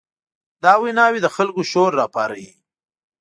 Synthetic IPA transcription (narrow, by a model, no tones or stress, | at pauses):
d̪ɑːwinɑːwid̪əxalkoʃoɾːɑːpɑɾaji